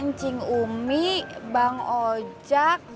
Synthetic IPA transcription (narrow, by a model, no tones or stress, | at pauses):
ɲt͡ʃiŋumibaŋod͡ʒak̚